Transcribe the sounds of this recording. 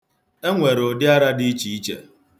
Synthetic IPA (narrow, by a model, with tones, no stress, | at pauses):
e˦ŋʷe˨ɾo˨dɪ˦a˦ɾa˦di˦t͡ʃi˨i˦t͡ʃḛ˨